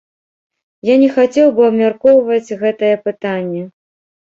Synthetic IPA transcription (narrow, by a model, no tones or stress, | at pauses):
janʲɛxat͡sʲɛwbɨɐbmʲarkɔwvɐt͡sʲɣɛt̪ɐjɛpɨt̪anʲːɛ